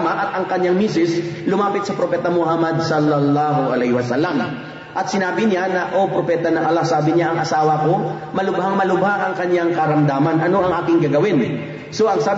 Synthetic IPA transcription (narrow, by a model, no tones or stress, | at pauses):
mɐʔɐt̪ɐŋkɐɲːaŋmiːsɪslʊmaːpɪt̪sɐpɾopɛːt̪ɐmʊhamɐd̪̚sɐlːɐlˠːaːɦoʔɐ̰lɛhɪwɐsalɐm | ʔɐt̪̚sɪnaːbɪɲanɐʔopɾopɛːt̪ɐnɐŋʔɐlasaːbɪɲaʔɐŋʔɐsaːwɐko | mɐlʊbhaŋmɐlʊbhaʔɐŋkɐɲaŋkɐɾɐmd̪aːmɐnʔɐno̞ʔɐŋʔaːkɪŋɡɐɡɐwɪn | so̞ʔɐŋsaː